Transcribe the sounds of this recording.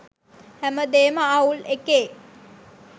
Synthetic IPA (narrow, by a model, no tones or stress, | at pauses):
hæməd̪eːməaulekeː